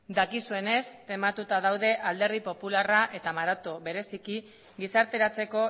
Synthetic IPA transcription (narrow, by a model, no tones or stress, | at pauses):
d̪akisue̞ne̞se̞mat̪ut̪aðawðe̞ʔald̪e̞ɾðipo̞pularaʔe̞t̪amaɾat̪oβe̞ɾe̞siki | ɡisaɾt̪e̞ɾat͡se̞ko̞